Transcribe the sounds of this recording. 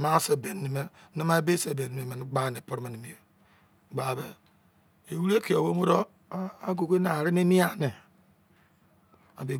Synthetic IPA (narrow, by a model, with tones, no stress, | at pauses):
ma˦se˦˨be˨nː˨i˨me˦ni˦ma˦e˦be˦se˨be˨n˨i˨me˨me˨ni˦ɡ͡ba˦˨ne˨po˦ɾme˨ni˨mi˨e˨ | ɡ͡ba˨be˨ | e˨wu˦ɾe˦ki˨o˨wo˦mo˦ɾo˦ | a˦ɡo˨ɡe˦na˨ɾi˦ne˦ni˦a˦ne˨ | a˨be˨